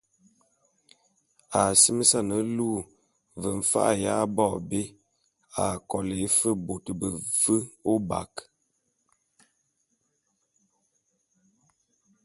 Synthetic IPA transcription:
a˨si˦mə˦sa˦˨nə˨luː˦˨ | və˨ɱ̩˨fa̰˦ʔja̰˦bɔ˦˨be˦ | a˨kɔ˨le˨˦fə˦bo˨tə˨bə˨fə˦o˦ba̰˨k

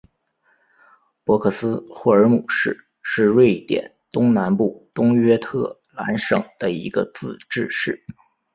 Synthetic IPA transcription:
pwɔ˧˥kʰɤ˥˩sɹ̩˥xwɔ˥˩ə˞˧˥mu˨˩ʂɻ̩˥˧ | ʂɻ̩˥˧ɻwe˥˩ɪt̪jɛ̰˨˩˦nt̪ʊ˥ŋna˧˥npu˥˩t̪ʊ˥ŋɥɛ˥t̪ʰɤ˥˩ | la̰˧˥nʂɤ̰˨˩ŋd̪̥ə˦ḭ˧˥ɡə̰˧t͡sɹ̩˥˧ʈ͡ʂɻ̩˥˧ʂɻ̩˥˩

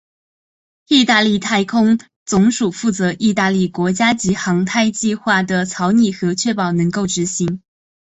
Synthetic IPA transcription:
i˥˧t̪a˥˧li˥˩t̪ʰa˥˧˩ɪkʰʊ˥ŋ | t͡sʊ˧˥ŋʂu˨˩fu˥˩t͡sɤ˧˥ʔi˥˧t̪a˥˧li˥˩kwɔ˧˥t͡ɕja˥t͡ɕi˧˥xɑ˧˥ŋt̪ʰa˥˧ɪt͡ɕi˥˧xwa˥˩d̪ə˩t͡sʰɑ˧˥ʊni˥˩xɤ˧˥t͡ɕʰɥɛ˥˩pɑ˨˩ʊnɤ˧˥ŋko˥˩ʊʈ͡ʂɻ̩˧˥ɕi˧˥ŋ

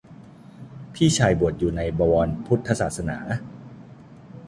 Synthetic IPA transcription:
pʰiː˥˩t͡ɕʰaː˧˩jbu˨˩ət̪̚juː˨˩na˧jbɔː˧wɔː˧npʰu˦˥t̪ʰːa˧sa̰ː˨˩t̪̚sa˧na̰ː˩˦

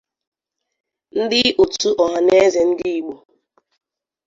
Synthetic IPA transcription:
n̩˦dɪ˦ʔu˨tu˦ʔɔ˨ɦa˨ne˦ze˨n̩˦di˦i˨ɡ͡bo˨

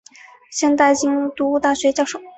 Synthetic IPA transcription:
ɕjɛ˥˧nt̪a˥˩ɪt͡ɕi˥ŋt̪u˧˥u˥˧˩t̪a˥˩ɕɥɛ˧˥t͡ɕjɑ˥˧˩ʂo˨˩˦

